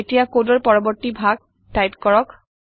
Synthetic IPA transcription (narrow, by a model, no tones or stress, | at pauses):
etijakodɔɹpɔɹɔbɔɹtibʱaɡ̚ | tajpkɔɹɔk